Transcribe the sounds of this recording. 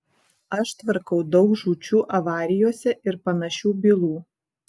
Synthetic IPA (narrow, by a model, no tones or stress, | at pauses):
ɐʃt̪ʋɐɾkɐʊd̪ɒʊkʒuːt͡ʃʲuːʔɐʋɑːɾʲɪjoːsʲɛʔɪɾpɐnɐʃʲuːbʲɪlˠuː